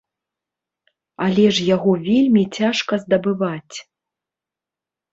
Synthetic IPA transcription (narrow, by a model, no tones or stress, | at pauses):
ɐlʲɛʂjaɣɔvʲelʲmʲit͡sʲaʂkɐzd̪ɐbɨvat͡sʲ